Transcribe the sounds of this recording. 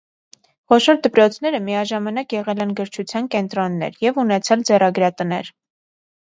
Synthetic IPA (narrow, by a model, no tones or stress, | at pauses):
χɔʃɔɾd̪əpɾɔt͡sʰn̪ɛɾəmiɑʒɑmɑnɑkjɛʁɛlɛnɡəɾt͡ʃʰut͡sʰjɑnkɛn̪t̪ɾɔnːɛ̰ɾjɛvunɛt͡sʰɑld͡zɛrɑɡɾɑt̪ənɛ̰ɾ